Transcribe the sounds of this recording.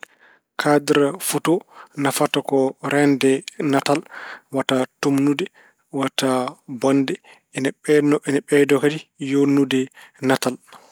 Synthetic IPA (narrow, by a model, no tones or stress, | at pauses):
kʰadiɾafutɔnafatakɔɾɛndɛnatalwatatumnudɛ | watabɔndɛ | ɛnɛɓɛnɔʔɛnɛɓɛdɔkadijonːudɛnatal